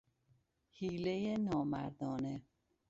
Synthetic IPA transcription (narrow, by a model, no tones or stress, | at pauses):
hiːlejenɒːmæ̰ɾd̪ɒːne